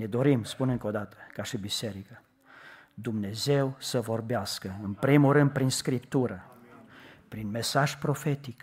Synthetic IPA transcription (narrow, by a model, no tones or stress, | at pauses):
ned̪o̞ɾimspuneɨŋkod̪at̪ə̥kaʃibiseɾikə | d̪umne̞zewsəvo̞rbeaskəɨnpɾimuɾɨnd̪̚pɾinskɾipt̪uɾə | pɾinmesaʒpɾo̞fe̞t̪ik